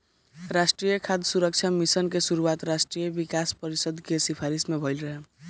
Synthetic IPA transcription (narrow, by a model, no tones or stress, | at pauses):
ɾasʈrijʌkʰad̪ʱsuɾʌk̚t͡ʃʰamisʌnkesuɾuwat̪ɾasʈrijʌbikaspʌɾisʌd̪kesipʰaɾismebʱʌjlɾʌɦe